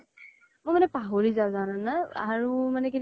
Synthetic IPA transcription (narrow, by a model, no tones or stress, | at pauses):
mʊjmanɛpaɦoɹizazananaaɹumanɛkin